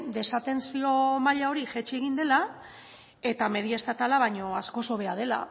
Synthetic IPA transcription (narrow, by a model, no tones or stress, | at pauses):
d̪e̞sat̪e̞nsio̞maʎao̞ɾiʝet͡ʃieɣ̞ind̪e̞la | e̞t̪ame̞ðiest̪at̪alaβajɲo̞asko̞so̞βe̞að̞e̞la̰